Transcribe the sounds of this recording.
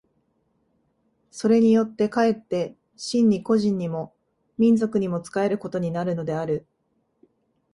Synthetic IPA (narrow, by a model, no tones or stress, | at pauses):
so̞ɾe̞ɲ̟ijo̞t̪ːe̞kae̞t̪ːe̞ | ɕĩɲ̟ːiko̞ʑĩɲ̟ːimo̞ | mʲĩnd͡zo̞kɯ̟ɲ̟imo̞t͡sɨ̥kae̞ɾɯ̟ko̞t̪o̞ɲ̟inaɾɯ̟no̞d̪e̞aɾɯ̟